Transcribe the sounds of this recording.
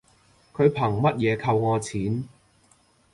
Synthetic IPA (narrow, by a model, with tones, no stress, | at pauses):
kʰɵ˨˧ɥpʰɐ˨˩ŋmɐ˥t̚jɛː˨˧kʰɐ˧wŋɔː˨˧t͡sʰiː˨˥n